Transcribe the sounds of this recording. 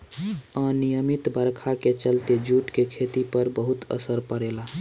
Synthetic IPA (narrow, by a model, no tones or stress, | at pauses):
ə̃nijəmit̪bəɾkʰaket͡ʃəlt̪ed͡ʒuʈkekʰet̪ipəɾbəɦut̪ə̰səɾpəɽela